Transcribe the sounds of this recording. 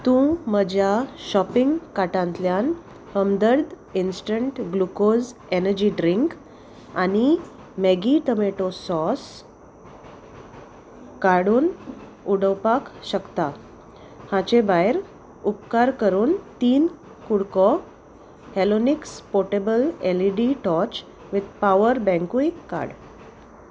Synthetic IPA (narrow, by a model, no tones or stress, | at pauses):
t̪ũməd͡ʑjaɕɔpiŋɡkaʈãnt̪ljan | həmd̪əɾd̪ | insʈəɳʈɡlukozenəɾd͡ʑiːɖɾiŋk | ani | meɡiʈ̪əmeʈosɔs | kaɽuːn | uɽəwpakɕəkt̪a | hãt͡ɕẽbajɾ | upkaɾkəɾuːnt̪iːn | kuɽkɔ | hɛlonikspoʈebəleliɖiʈɔt͡ɕ | ʋid̪̚paʋəɾbɛ̃ŋkuikːa̰ɾɽ